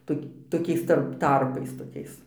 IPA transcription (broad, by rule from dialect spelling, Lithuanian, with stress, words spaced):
ˈtoːk toːˈkʲɛɪs ˈtɐrp ˈtɐrpɐɪs toːˈkʲɛɪs